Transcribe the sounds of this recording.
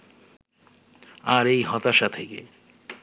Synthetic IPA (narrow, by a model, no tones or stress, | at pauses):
aɾejɦɔt̪aʃat̪ʰekḛ